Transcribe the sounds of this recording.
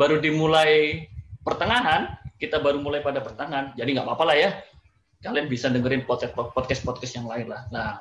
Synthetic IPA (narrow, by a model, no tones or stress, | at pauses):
baɾudimulajpərt̪əŋaɦankit̪abaɾumulajpadapərt̪aŋand͡ʒadiŋɡaʔpapalahja | kalianbisandəŋəɾɪnpɔt̪̚kɛt̚ɔpɔt̪kɛst̪̚pɔt̪̚kɛsjaŋlaɪnlahla